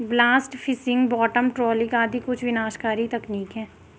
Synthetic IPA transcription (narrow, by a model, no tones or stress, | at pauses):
blaːsʈfʰɪsɪ̃ŋɡbɔːʈəmʈɾɔːlɪ̃kaːd̪ʱikʊt͡ʃʰʋɪnaːʃkaːɾit̪ɐkniːkɦɛ̃ː